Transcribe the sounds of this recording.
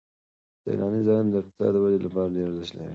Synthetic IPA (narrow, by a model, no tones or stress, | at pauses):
dḛɾʔɑnizɑjɪmd̪əq̚t̪ɪ̥sɑ̰d̪əwad͡ʒelapɑɾaɖeɾazaʃla̰